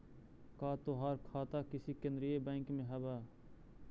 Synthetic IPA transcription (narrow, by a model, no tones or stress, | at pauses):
kaːt̪oːɦaːɾkʰaːt̪aːkɪsikẽnd̪ɾijeːbɛ̃ːŋkmẽːɦɐbaː